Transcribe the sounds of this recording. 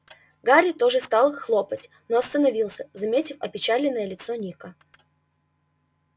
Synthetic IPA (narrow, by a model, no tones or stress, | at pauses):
ɡaɾʲɪt̪o̞ʐɨst̪ɑlˠxlˠo̞pətʲ | noɐst̪ənɐvʲilˠsʲəzɐmʲetʲɪfɐpʲɪt͡ɕalʲɪnːəjəlʲɪt̪sonʲikə